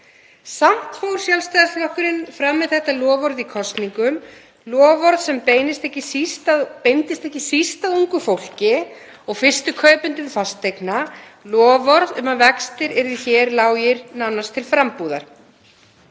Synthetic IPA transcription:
sam̥t̪fowɾ̥sjalst̪ajðaslɔhkʏɾɪnfɾamːɪðθɛht̪alɔːvɔɾðikʰɔst̪niŋkʏm | lɔːvɔɾðsɛmpeːjnɪst̪ɛhcɪsist̪apejnt̪ɪst̪ɛhcːɪsist̪aðuŋkʏfowl̥cɪ | ɔɣfɪrst̪ʏkʰœːɥpʏnt̪ʏmfast̪ʰːejkna | lɔːvɔɾðʏmavɛkst̪ɪɾɛɾðɪçɛɾlaːwjɪɾnanːast̪ʰɪlfɾampuːða̰ɾ̥

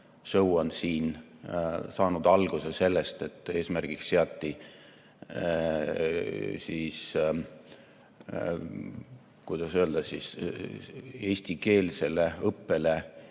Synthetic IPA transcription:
sɤwɑnsiːn | sɑːnud̪̥ɑlɡ̥use̞se̞lːest̪e̞t̪ːˑe̞ːsmærɡ̥iksseɑt̪ːi | sis | kujd̪̥ɑsøld̪̥ɑsis | e̞ːsʲt̪ike̞ːlse̞le̞ɤpːe̞le

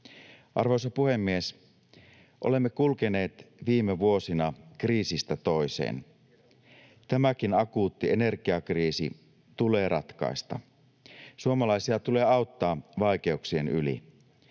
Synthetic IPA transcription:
ʔɑ̰rʋo̞jsɑpuhe̞mːie̞s | ʔole̞mːekulkene̞ːt̪ʋiːmeʋuo̞sinɑkriːsist̪æt̪o̞jsḛːn | t̪æmæk̟inɑkuːt̪ːiene̞rɡiɑkriːsḭ | t̪ule̞ːrʔɑt̪kɑ̰ist̪ɑ̰ | suomɑlɑisiɑt̪ule̞ːɑwt̪ːɑːʋɑik̟e̞uksienylḭ

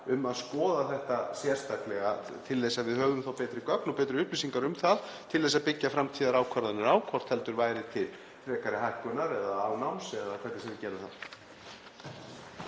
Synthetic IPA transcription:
ʏmaðskɔːðaθɛht̪asjɛr̥st̪aklɛɣa | t̪ʰɪlðɛsaðvɪðhœːɣðʏmθawpɛːt̪ɾɪkœknɔpɛːt̪ɾɪʏhplisiŋkaɾʏmθað | t̪ʰɪlθɛs̬ːaðpɪcːafɾamt̪ʰiːðaɾaːwkʰvaɾðanʏɾaːwkʰɔr̥t̪hɛl̪t̪ʏɾvaːjɾɪt̪ʰɪl | θɾɛːkaɾɪɦajhkʏnaɾɛðaːwnawmsɛðakʰvɛjt̪ɪsɛmɪcɛːɾaθa̰n

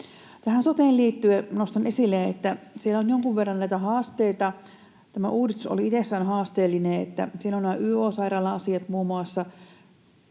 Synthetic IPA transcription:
t̪æhænsot̪eːlliːt̪ːyenost̪ɑnʔesilːeet̪ːæsielæonjoŋkuʋʋerːɑnnæit̪æhɑːst̪eit̪ɑ | t̪æmæ̰ʔuːdist̪uso̰liit̪esːænhɑːst̪eːlːineːḛt̪ːæ̰sielonːæʔyːoːsɑiɾɑːlːɑɑsiɑt̪muːmuɑsːɑ

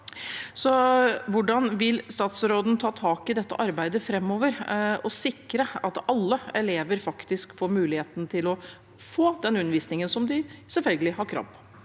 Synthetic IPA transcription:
sɔʋʊɖɑnʋɪlst̪ɑːt̪sɾoːd̪n̩t̪ʰɑːt̪ʰɑːkɪd̪ɛt̪ːə̰ʔɑɾbæɪd̪əfɾɛmːoːʋəɾɔsɪkːɾəɑt̪ɑlːəɛleːʋəɾfɑkt̪ɪskfoːɾmʉːlɪheːt̪n̩t̪ʰɪlɔ | foːd̪ɛnʉnːəʋiːsnɪŋənsɔmd̪ɪsɛlfœlɡəlɪɦɑɾkʰɾɑ̰ːp

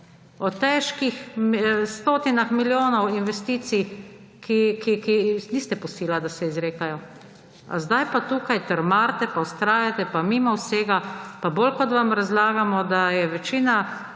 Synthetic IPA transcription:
ɔt̪ɛʃkixst̪oːt̪inaxmiljoːnɔwinʋɛst̪iːt̪si | kikikiniːst̪ɛpɔsiːlad̪asɛizɾeːkajɔ | a̰zd̪ajpat̪uːkajt̪əɾmaɾt̪ɛpawst̪ɾaːjat̪ɛpamimɔwseːɡapabolkɔt̪ʋamɾazlaːɡamɔd̪ajɛʋɛt͡ʃiːna

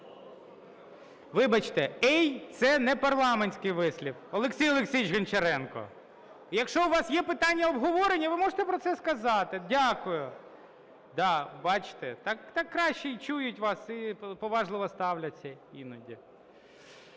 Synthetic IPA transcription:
ʋɪbɐt͡ʃt̪ɛɛjt̪sɛnɛpɐrlˠɑmenʲsʲkɪjʋɪsʲlʲifɔlˠeksʲijɔlˠeksʲijɪt͡ʃɦɐnt͡ʃeɾɛnkɔ̰ | jɐkʃt͡ʃɔʊʋɑsjɛpɪt̪ɑnʲːɐɔbɦɔʋɔɾenʲːɐʋɪmɔʐet̪ɛpɾɔt̪sɛskɐzɑt̪ɪdʲakʊjʊ | d̪ɑbɑt͡ʃt̪ɛt̪ɑkt̪ɑkːɾɑʃt͡ʃɛit͡ʃujʊtʲʋɑsipɔʋɑʒlˠɪʋɔst̪ɑwlʲɐt͡sʲːɐinʊdʲi

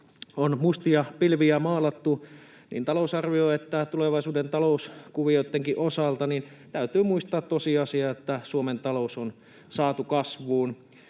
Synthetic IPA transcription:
onmust̪iɑpilʋiæmɑːlɑt̪ːu | nḭːnt̪ɑlousɑrʋioet̪ːæt̪uleʋɑisuːdent̪ɑlouskuʋiot̪ːeŋkiʔosɑlt̪ɑnin | t̪æyt̪yːmuist̪ɑːt̪tosiɑsiɑet̪ːæsuoment̪ɑlouson | sɑːt̪ukɑsʋuːn

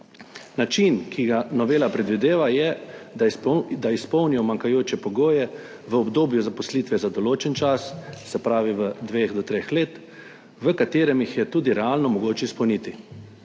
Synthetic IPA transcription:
nat͡ʃinkʰiɡanɔʋeːlapɾɛd̪ʋid̪eːʋajɛ | d̪aispɔwnijɔmaŋkajoːt͡ʃɛpɔɡoːjɛ | ʋəɔbd̪oːbjuzapɔsliːt̪ʋɛzad̪ɔloːt͡ʃɛnt͡ʃassɛpɾaːʋiʋəd̪ʋeːxd̪ɔt̪ɾeːxleːt̪ | ʋəkat̪eːɾɛmjixjɛt̪uːd̪iɾɛaːlnɔmɔɡoːt͡ʃɛispəwnit̪i

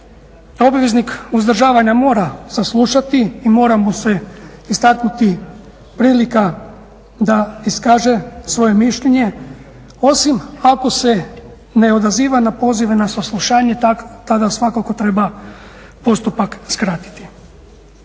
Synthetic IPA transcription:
o̞bʋʲe̞znikuzd̪r̩ʒaːʋaɲamo̞ːɾasaslˠuʃat̪iːmo̞ːɾamuse̞ist̪aknut̪i | pɾiːlika | d̪aiskaːʒe̞sʋo̞je̞miʃʎe̞ɲe̞ | o̞simako̞se̞ | ne̞o̞d̪aziːʋanapo̞ːziʋenasaslˠuʃaːɲe̞t̪t̪ad̪asʋakako̞t̪ɾe̞ba | po̞st̪upakskɾat̪i̥t̪i̥

